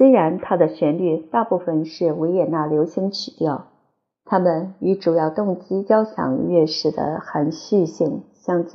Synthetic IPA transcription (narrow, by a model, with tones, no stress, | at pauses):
se˥ɪɻa˧˥nt̪ʰa˥d̪ə˨ɕɥɛ˧˥nly˥˧t̪a˥˧pu˥˩fə˨nʂɻ̩˥˩we˧˥ɪjɛ˨˩na˥˩ljo˧˥ʊɕi˧˥ŋt͡ɕʰi˨˩t̪jɑ˥˩ʊ | t̪ʰa˥mə˨ny˧˥ʈ͡ʂu˨˩jɑ˥˧ʊt̪ʊ˥˧ŋt͡ɕi˥t͡ɕjɑ˥ʊɕʰjɑ̰˨˩ŋɥɛ˥˩˧ʂɻ̩˥˩d̪ə̰˦xa˧˥nɕy˥˧ɕi˥˩ŋɕjɑ˥˩ŋ